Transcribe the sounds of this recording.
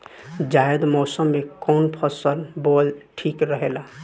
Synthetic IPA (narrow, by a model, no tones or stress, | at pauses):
d͡ʒaːjəd̪mɔːsəmːẽkɔːnpʰəsəlboːlʈʰiːkɾəɦeːlaː